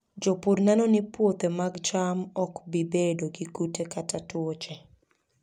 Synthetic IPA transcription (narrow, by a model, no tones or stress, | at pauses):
d͡ʒopuɾnɛnɔnɪpwot̪emaɡd͡ʒamɔkbibedoɡiɡutekatatwot͡ʃe